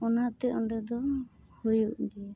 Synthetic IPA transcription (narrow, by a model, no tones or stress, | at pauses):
ɔnat̪ɛɔɳɖɛd̪ɔhojuʔd̪iɛ